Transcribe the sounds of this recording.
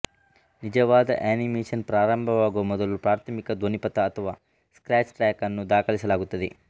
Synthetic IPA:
nid͡ʒɐʋaːd̪ɐ̰ʔaːnimeːʂɐnpɾaːɾɐmbʱɐʋaːɡuʋɐmɔd̪ɐlupɾaːɾt̪ʰɐmikɐd̪ʋonipɐt̪ɐːt̪ʰɐʋaː | skɾaːt͡ʃʈɾɛːkɐnːud̪aːkʰɐɭisɐlaːɡut̪ːɐd̪ḛ

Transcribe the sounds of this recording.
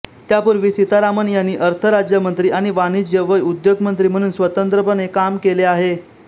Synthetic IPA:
t̪japuɾʋiːsit̪aɾamənjanːiːʔəɾt̪ʰəɾad͡ʑjəmənt̪ɾiːʔaɽ̃iʋanid͡ʑjəʋəjud̪joɡmənt̪ɾiːm̤əɽ̃uːnsʋət̪ənt̪ɾəpənekamkeleaɦe

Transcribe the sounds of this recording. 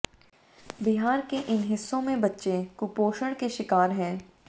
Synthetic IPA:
bɪɦaːɾkeʔɪnɦɪsːõmẽbɐtːʃekʊpoːʃəɽ̃keʃɪkaːɾɦɛ̃ː

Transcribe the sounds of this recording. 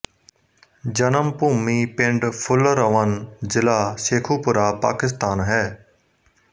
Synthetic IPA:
d͡ʒənəmpuːmiːpɪ̃ɳɖpʰʊlɾəʋənzɪlaːseːkʰuːpʊɾaːpa̰ːkɪs̬t̪aːnɦɛː

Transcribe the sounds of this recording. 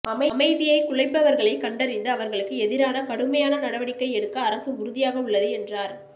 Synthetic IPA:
ɐmɐmɐɪðɪjɐɪkʊɭɐɪpːɐʋɐɾɣɐɭɐɪkːɐɳɖɐɾɪnd̪ɯɐʋɐɾɣɐɭɯkːɯɛðɪɾaːnɐkɐɽɯmɐjaːnɐnɐɽɐʋɐɽɪkːɐɪɛɽɯkːɐːɾɐsɯmʊɾɯðɪjaːɣɐʊɭːɐðɯɛndraːɾ

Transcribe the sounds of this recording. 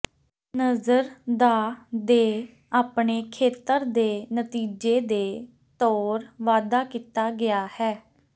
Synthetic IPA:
nəzəɾd̪aːd̪eː | aːpɳeːkʰeːt̪əɾd̪eːnət̪iːd͡ʒeːd̪eː | t̪ɔːɾʋaːd̪aːkiːt̪aːɡɪaːhɛː

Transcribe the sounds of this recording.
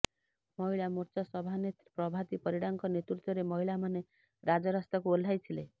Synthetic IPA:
mɔɦiɭamoɾt͡ʃɔsɔbʱanet̪pɾɔbʱat̪ipɔɾiɽaŋkɔnet̪ɾut̪jɔɾemɔɦiɭamane | ɾad͡ʒɔɾast̪akuol̤ʱajt̪ʰile

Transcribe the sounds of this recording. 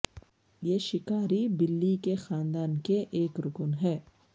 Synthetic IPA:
jeːʃɪkaːɾibɪlːikexaːnd̪aːnkeʔeːkɾʊkʊnɦɛː

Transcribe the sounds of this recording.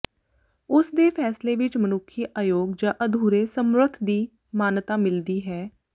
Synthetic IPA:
ʊsd̪eːpʰɛːsleːʋɪt͡ʃmənʊkʰːiʔaːjoːɡd͡ʒãːʔəd̪ʱuːɾeːsəmɾʊt̪ʰd̪iː | maːnt̪aːmɪld̪iːɦɛː

